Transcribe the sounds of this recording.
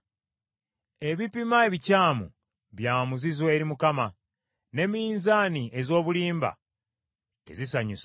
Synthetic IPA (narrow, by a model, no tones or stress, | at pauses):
e̞βipimae̞βicaːmṵ | βjaːmuzizwe̞ːɾimukama | ne̞miiːnzaːniʔe̞zo̞ːβuliːmba̰ | e̞̰zisaɲus